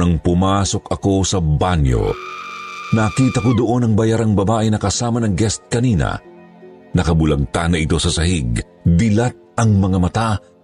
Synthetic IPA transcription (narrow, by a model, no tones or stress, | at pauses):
ɐŋpʊmaːso̞kɐko̞sɐbanjo̞̰ | nɐkiːt̪ɐkod̪oʔo̞nɐŋbɐjaɾaŋbɐbaːʔɪnɐkɐsaːmɐnɐŋɡɛst̪̚kɐniːnɐ̰ | nɐkɐbʊlɐɡ̚t̪anɐʔɪt̪o̞sɐsɐhiɡ | b̪ɪlat̪̚ɐŋmɐŋamɐt̪a